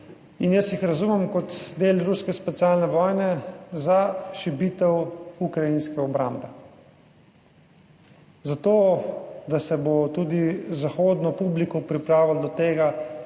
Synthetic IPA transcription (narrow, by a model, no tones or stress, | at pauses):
injəsjixɾazumɛmkɔt̪d̪eːlɾuskɛspɛt̪sialnɛʋɔːjnɛzaʃibit̪ɛwukɾajinskɛɔbɾa̰mbɛ | zat̪oːd̪asɛbot̪ud̪izaxoːd̪nɔpublikɔpɾipɾaːʋald̪ɔt̪eːɡa